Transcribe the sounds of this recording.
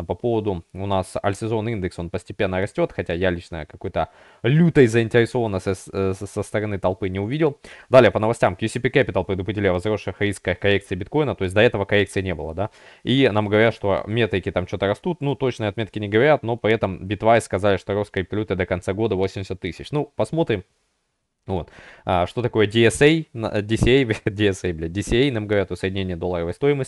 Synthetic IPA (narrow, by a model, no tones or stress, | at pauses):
pɐpo̞vəd̪ʊʊnasɐ̰lʲsʲɪzo̞nind̪ɨkso̞npəsʲtʲɪpʲenːəɾɐsʲtʲo̞t̪xɐtʲajalʲit͡ɕnə̰əkɐko̞jt̪ə | lʲut̪əjzəɪnʲtʲɪɾʲɪso̞vənːəsəsəst̪əɾɐnɨt̪ɐlˠpɨnʲɪʊvʲidʲɪlˠd̪alʲɪjəpənəvɐsʲtʲamkjʊsʲɪpʲikæpʲɪt̪əlˠpɾʲɪd̪ʊpɾʲɪdʲilʲɪjəvɐzro̞ʂɨxɾʲiskəjkɐlʲe̞kt̪sɨɪbʲɪt̪ko̞jnət̪o̞ɪs̬ʲtʲd̪ɐɛt̪əvəkɐlʲe̞kt̪sɨɪnʲebɨlˠəd̪a | inamɡəvɐɾʲat̪ʂt̪o̞̰mʲe̞t̪ɾʲɪkʲɪt̪amt͡ɕo̞t̪əɾɐst̪ut̪nut̪ːo̞t͡ɕnɨjəɐt̪mʲe̞t̪kʲɪnʲɪɡəvɐɾʲat̪no̞pɾʲɪɛt̪əmbʲɪt̪vaɪskɐzalʲɪʂt̪oɾoskəɪpɐlʲut̪ɨd̪əkɐnt̪saɡo̞d̪əvo̞sʲɪmʲdʲɪsʲət̪ːɨsʲɪt͡ɕnupɐsmo̞t̪ɾʲɪm | vo̞t̪əʂt̪o̞t̪ɐko̞jədʲɪɛsej̪̰dʲɪsʲɪejb̪̚ʲdʲɪɛsejbʲlʲedʲɪsʲɪejnamɡəvɐɾʲat̪osəɪdʲɪnʲenʲɪjəd̪o̞lˠːəɾəvəjst̪o̞jɪməsʲ